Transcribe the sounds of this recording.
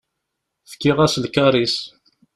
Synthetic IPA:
fə̥kːiʁæslkɑɾˤis

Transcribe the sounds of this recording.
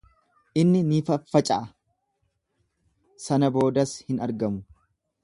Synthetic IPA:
ʔɪnːɪniːfɐfːɐt͡ʃʼɐʔɐ | sɐnɐbo̞ːd̪ɐshɪnɐɾɡɐmʊ

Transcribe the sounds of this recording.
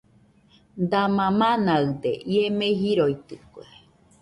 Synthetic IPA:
d̪amãmãnaɨd̪ḛʔiemeɦiɾoit̪ɨkoe

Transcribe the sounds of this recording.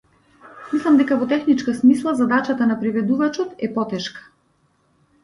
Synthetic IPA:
mislˠamd̪ɛkavɔt̪ɛxnit͡ʃkasmislˠazad̪at͡ʃat̪anapɾivɛd̪uvat͡ʃɔt̪ɛpɔt̪ɛʃkḁ

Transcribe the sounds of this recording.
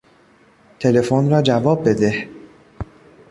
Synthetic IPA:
t̪ʰe̞le̞fonrɒːd͡ʒævɒːb̚ːe̞d̪eh

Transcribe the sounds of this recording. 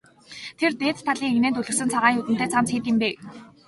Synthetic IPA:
t̪ʰert̪eːt͡s̪t̪ʰːaɮiːŋeɣneːnt̪ɵɮɘ̆ksɘ̆nt͡sʰaʁaːŋut̪ɘ̆nt̪eːt͡sʰamt͡sxiːt̪ɪ̆mpeː

